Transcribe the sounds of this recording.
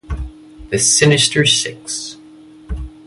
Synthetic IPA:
ðɨsɪnɪstə˞sɪks

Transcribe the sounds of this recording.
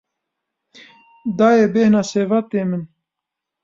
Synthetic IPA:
d̪aːjebeːhnaːseːvat̪eːmɨn

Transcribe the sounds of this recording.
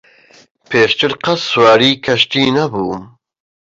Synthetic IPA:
pʰeːʃt̪ʰɨɾqʰɐswaːɾiːkʰɐʃt̪iːnɐbuː

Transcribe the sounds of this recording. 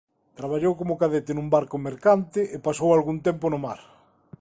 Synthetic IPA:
t̪ɾaβaʎowkomʊkaðet̪ɪnũmbaɾkʊmeɾkant̪ɪʔepasowalɣunt̪ɛmponʊmaɾ

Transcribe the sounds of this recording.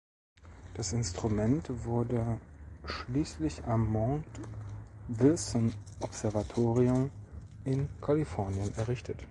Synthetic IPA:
d̥asɪnstʁ̥umɛntv̥ʊɐdəʃliːslɪçamːɔɐŋt | vɪlsɔnʔɔpz̥ɛɐvatʰoːʁiʊm | ɪnkʰalifɔɐnjənɛɐʁɪçtʰət

